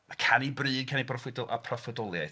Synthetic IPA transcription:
akʰanibrɨːdkʰanibrɔfwɪdɔlˠʔa̰pʰrɔfədɔlˠjaɨθ

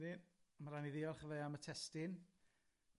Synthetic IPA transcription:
ɾimaɾaniðiɔrχəveamətʰɛstɪn

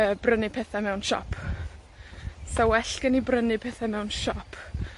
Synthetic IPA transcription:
əːbrənɪpʰɛθamɛwnʃɔ̰pʰ | sawɛɬɡ̥ənibrənɪpʰɛθamɛwnʃɔpʰ

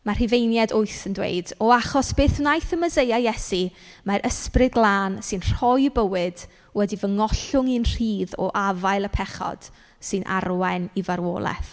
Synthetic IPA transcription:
mar̥ivejnjadʊɨθəndwḛjdɔaχɔsb̥eːθnajθəməzejajɛsi | maɾʔəsprɨd̚ɡlˠaːnsɨnr̥ɔjbəwɨd̥ | wɛdivəŋɔɬʊŋɨnr̥iːðɔ̰ʔavajlˠəpʰɛχɔ̰d̥ | sɨnʔa̰rwɛnivaɾwo̰ːlˠɛ̰θ

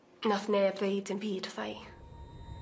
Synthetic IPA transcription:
naθneːvvejdɪnbiːdθaj

